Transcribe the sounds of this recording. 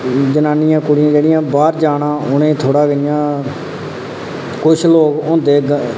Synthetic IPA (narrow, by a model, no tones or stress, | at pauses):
d͡ʒənaːnɪjãːkʊɽɪjãːd͡ʒeːɽɪjãːbaːɾd͡ʒaːnãːʔʊnẽːt̪ʰoːɽaːɡəɪjãː | kʊt͡ʃʰloːɡʊ̃ːnd̪eːɡ